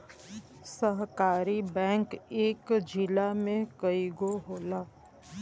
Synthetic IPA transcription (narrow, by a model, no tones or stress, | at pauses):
səɦkaːɾibɛ̃ːŋkeːkd͡ʒɪlamẽkəiɡoɦoːlaː